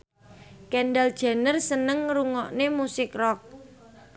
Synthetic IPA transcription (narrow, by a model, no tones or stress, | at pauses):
kɛnɖald̥ʒ̥a̤nərsənəŋɾuŋɔʔnemusɪkrɔk̚